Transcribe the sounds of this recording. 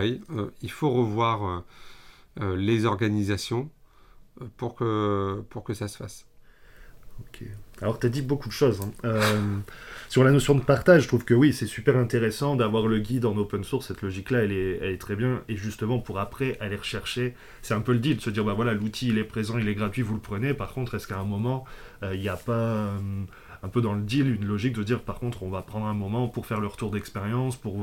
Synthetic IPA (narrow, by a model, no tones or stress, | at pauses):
jøilfoʁəvwaʁø | lezɔʁɡanizasjɔ̃ | puʁkəpuʁkəsasə̥fas | okʲʰḛalɔʁt̪yad̪ibokud̪əʃozɛ̃ømsyʁlanɔsjɔ̃d̪əpaʁt̪aʒət̪χuvkəwisɛsypɛʁɛ̃t̪eʁesɑ̃d̪avwaʁləɡʲid̪ɑ̃nopɛnsuʁsːɛt̪lɔʒiklaɛlɛɛ̰lɛt̪χɛbjɛ̃eʒyst̪əmɑ̃puʁapχɛʔaleʁəʃɛʁʃe | sɛt̪ɛ̃pøləd̪ild̪əsəd̪iʁbavwalalut̪ʰiːlɛpχezɑ̃ilɛɡʁat̪ɥivulpχənepaʁkɔ̃t̪χɛskaɛ̃mɔmɑ̃øiljapam | ɛ̃pød̪ɑ̃ləd̪ilynlɔʒik̚d̪əd̪iʁpaʁkɔ̃t̪χɔ̃vapχɑ̃d̪ʁɛ̃mɔmɑ̃puʁfɛʁləʁət̪uʁd̪ɛkspeʁjɑ̃spuʁ